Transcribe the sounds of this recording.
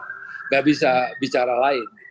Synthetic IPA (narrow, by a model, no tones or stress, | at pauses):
ŋɡaʔbisabit͡ʃaɾalaɪn